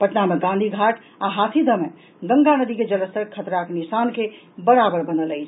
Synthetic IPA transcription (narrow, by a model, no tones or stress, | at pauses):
pəʈnameɡãnd̪ʱiɡʱaʈʰ | aɦat̪ʰid̪ʱəme | ɡəŋɡanəd̪ʱiked͡ʒələsəɾkʰət̪ɾakenisanke | bəɾabəɾbənələjt͡ʃʰ